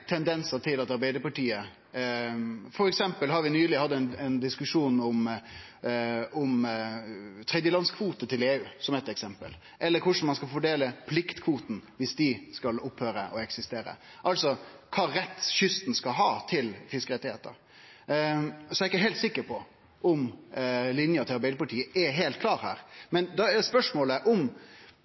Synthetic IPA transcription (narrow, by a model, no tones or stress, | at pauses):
t̪ʰɛnd̪ɛnsəʈ̪ʰɪlɑt̪ɑɾbæɪd̪əpɑʈiːə | fɔɾɛksɛmpəlɦɑɾʋɪnyːlɪhɑd̪ːænɛnd̪ɪskʉʂuːnʊm | ʊm | t̪ʰɾɛd̪jəlɑnskʰʋuːt̪ət̪ʰɪleːʉːsɔmɛɪt̪ɛksɛmpə̰l | ʔɛlːəɾkʰʊʂn̩mɑnskɑlfɔɖeːləpʰlɪkt̪kʰʋuːt̪n̩ʋɪsd̪ɪskɑlʊphøːɾə̰ʔɔɛksɪst̪eːɾə̰ʔɑlsɔkʰɑːɾɛt̪ːɕʏst̪n̩skɑlɦɑːt̪ʰɪlfɪskəɾɛt̪ːɪheːt̪ə̰ | sɔɛɾɪkːəɦɛɪlt̪sɪkːəɾpʰɔ | ʔʊmlɪnjəɑt̪ʰɪɑɾbæɪd̪ɪəpɑʈʰiːəʔɛɦeːlt̪̚kʰlɑːɾhæ̰ːɾmɛnd̪ɑɛspœʂmoːləʔɔm